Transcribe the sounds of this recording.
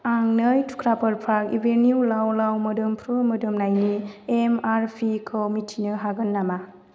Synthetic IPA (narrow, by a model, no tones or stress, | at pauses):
aŋnɯjtʰu̥kʰɾapəɾpʰɾakḭbenjulawlawmɯdɯmpʰɾumədɯmnajniemaɾpʰikʰɔmitʰinɯɦaɡɯnːama